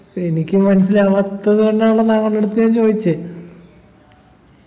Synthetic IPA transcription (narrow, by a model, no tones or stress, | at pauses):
e̞nikʲːɨmɐnɐsilɐʋɐt̪ːɐðɨkɐɳɖeaɭːɐnaːŋɐnːeɽut̪ːijaːnt͡ɕo̞ːðit͡ɕːɨ